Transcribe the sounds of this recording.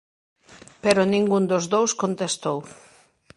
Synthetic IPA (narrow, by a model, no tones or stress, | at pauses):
peɾonĩŋɡund̪ozðowskont̪est̪ow